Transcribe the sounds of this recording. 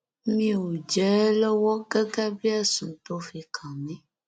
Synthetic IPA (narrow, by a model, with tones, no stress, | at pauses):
mĩ˦wo˨d͡ʒɛ˨˦le˦wɔ˦ɡɛ˦ɡɛ˦bi˦ɛ˦sũ˨t̪o˦fi˨kʰã˨mɛ̃˦